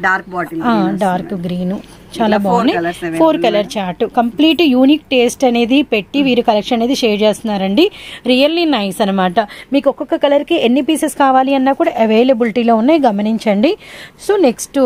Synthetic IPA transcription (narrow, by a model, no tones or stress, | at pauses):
ɖaːɾkːaːɖaːɾkɡɾiːnu | t͡ʃaːlaːbɐːnipʰoːɾkɐlɐɾt͡ʃaːɾʈukɐmpliːʈujuːnik̚ʈe̞ːsʈɐne̞ːd̪ipe̞ʈːiʋiːɾukɐlekʂɐnɐne̞ːd̪iʃeːɾt͡ʃeːst̪unːaːɾɐɳɖiɾijɐlːinɐjsɐnɐmaːʈɐmiːkɔkɔkːɐkɐlɐɾkienːipiːseskaːʋaːliɐnːaːkuːɽaːʔɐʋeːlebilʈiːlo̞ːunːaːjɡɐmɐniɲt͡ʃɐɳɖisoːneksʈu